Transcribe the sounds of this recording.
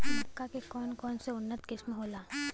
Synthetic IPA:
kːakekɔːnkɔːnseʊnːət̪kɪsmɦoːlaː

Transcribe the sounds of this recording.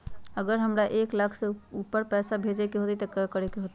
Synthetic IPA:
əɡəɾɦəmɾaʔeklakʰseupːəɾpɛsabʱed͡ʒekeɦot̪it̪əkəkəɾekeɦot̪i

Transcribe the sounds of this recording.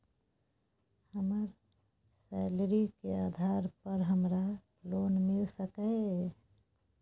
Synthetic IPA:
həməɾ | sɛlɾikeaːd̪ʱaɾpəɾɦəmɾa | lonmɪlsəkə

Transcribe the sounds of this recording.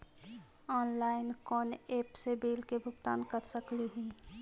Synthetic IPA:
ɔːnlaːɪnkɔːneːpsebeːlkebʱʊɡt̪a̰ːnkəɾsəkleɦĩː

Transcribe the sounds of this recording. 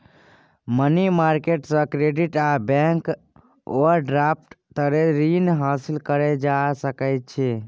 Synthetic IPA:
mənimaɾkeʈsə̃kɾeɖiʈabɛ̃ŋk | oəɾɖɾap̚ʰʈt̪əɾeɾinɦasilkəɾed͡ʒasəkəjt̪̚t͡ʃʰɛ

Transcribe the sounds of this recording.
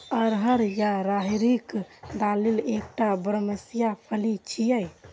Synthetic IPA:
əɾɦəɾjaɾaɦiɾikd̪alilekʈabɾəməsijapʰəlit͡ʃʰijəj

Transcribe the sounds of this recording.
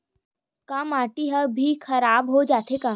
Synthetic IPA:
kamaːʈiɦəbʱikʰɐɾaːbɦod͡ʒaːt̪eka

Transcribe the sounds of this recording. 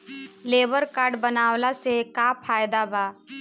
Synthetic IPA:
leːbəɾkaːɾɖbənaːwlasekapʰaːjd̪abaː

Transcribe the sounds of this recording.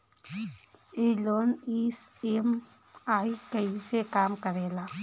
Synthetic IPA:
iːloːniːsem | aːikəisekaːmkəɾeːlaː

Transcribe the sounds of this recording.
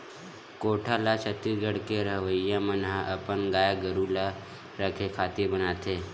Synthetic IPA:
koʈʰalat͡ʃət̪ːiɡəɽkeɾəɦʋəjːamənɦaʔəpənɡaːjaɡəɾula | ɾəkʰekʰaːt̪iɾbənaːt̪e

